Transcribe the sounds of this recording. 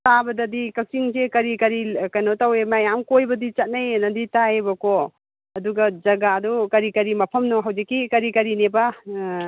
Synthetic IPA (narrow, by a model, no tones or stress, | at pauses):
tabɐdɐdikɐk̚siŋsekɐɾikɐɾikɐjnotawemajamkojbɐdit͡ʃɐt̚najnɐditaebɐko | ɐduɡɐd͡ʒɐɡadɔkɐɾikɐɾimɐpʰɐmnɔɦawzikːikɐɾikɐɾinebɐ